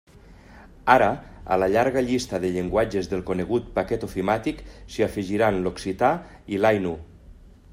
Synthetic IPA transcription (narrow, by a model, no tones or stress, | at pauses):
aɾaa̰laʎaɾɣaʎist̪aðeʎeŋɡwad͡ʒezðelˠkoneɣ̞ut̪̚pakɛt̪ofimat̪iksiafiʒiɾanloksit̪a | ilajnu